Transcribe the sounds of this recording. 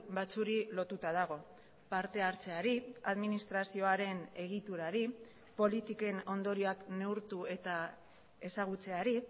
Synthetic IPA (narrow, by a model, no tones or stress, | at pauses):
bat͡suɾilo̞t̪ut̪að̞aɣ̞o̞ | paɾt̪e̞aɾt͡se̞aɾiaðminist̪ɾasio̞aɾe̞ne̞ɣ̞it̪uɾaɾi | po̞lit̪ike̞no̞nd̪o̞ɾiakne̞uɾt̪ue̞t̪a | e̞saɣ̞ut͡se̞aɾi